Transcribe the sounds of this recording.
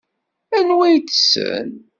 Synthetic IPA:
ænwæjt͡sːsə̰n

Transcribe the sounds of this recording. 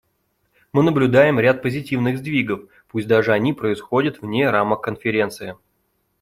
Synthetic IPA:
mɨnəblʲʊd̪ajɪmɾʲat̪̚pəzʲɪtʲivnɨɣzd̪vʲiɡəf | pusʲt̚ʲd̪aʐɨɐnʲipɾəɪsxodʲət̪vnʲeɾaməkːənfʲɪɾʲe̞nt̪sɨjɪ

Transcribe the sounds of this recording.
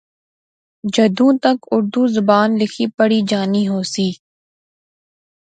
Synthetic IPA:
d͡ʒɐd̪ũːt̪ɐkʊɾd̪uzʊbaːnlɪkʰipɐɽid͡ʒaːniɦoːsiː

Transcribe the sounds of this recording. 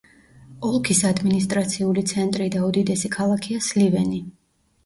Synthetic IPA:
ɔlˠkʰisad̪minist̪ʼɾat̪sʰiulit̪sʰɛnt̪ʼɾid̪aud̪id̪ɛsikʰalˠakʰiaslivɛni

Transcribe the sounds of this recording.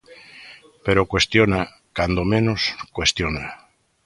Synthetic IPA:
peɾokwe̞st̪jona | kand̪omẽnoskwest̪jona

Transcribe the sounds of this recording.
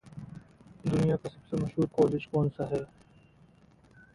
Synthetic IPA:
d̪ʊnijakasɐbsemɐʃɦuːɾkɔːled͡ʒkɔːnsaɦɛː

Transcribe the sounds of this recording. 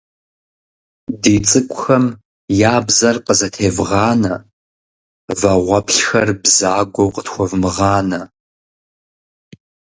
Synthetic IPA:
diːt͡sʼɨkʷʼʊxɐm | jaːbzɐrqəzɐtʰeːvʁɑːnɐ | vɐʁʷɔpʰɬxɐrbzaːɡʷɐwqətxʷɔvmɨʁɑːnɐ

